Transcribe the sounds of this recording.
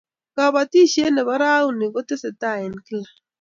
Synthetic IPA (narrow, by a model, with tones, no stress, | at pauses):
ka˨βa˨ti˦ʃe˦nɛ˨βa˦ɾa˦u˦ni˨ko˦te˦se˨ta˦˨ɛ˨nki˦la˨